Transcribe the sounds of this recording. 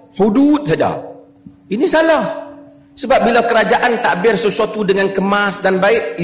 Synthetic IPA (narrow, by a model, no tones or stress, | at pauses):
hudut̪̚sad͡ʒa̰ | inisalah | səbap̚bilawkəɾad͡ʒaʔant̪aʔbɪrsəsuat̪udəŋankəmasdanbaɪʔ